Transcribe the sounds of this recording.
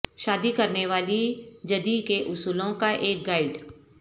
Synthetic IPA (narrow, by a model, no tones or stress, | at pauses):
ʃaːd̪ikɐɾneʋaːlid͡ʒɐd̪ikeʔʊsuːlõkaʔeːk̚ɡaːɪɖ